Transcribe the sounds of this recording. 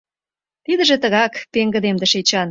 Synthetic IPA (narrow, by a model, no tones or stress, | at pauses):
t̪id̪ə̆ʒĕt̪ə̆ɣɑkpeŋɡə̆d̪emd̪ə̆ʃet͡ɕɑn